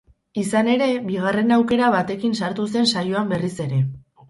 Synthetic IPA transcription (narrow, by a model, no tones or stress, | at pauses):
isane̞ɾe̞βiɣ̞are̞nawke̞ɾaβat̪e̞kinsaɾt̪use̞nsajoambe̞rise̞ɾe̞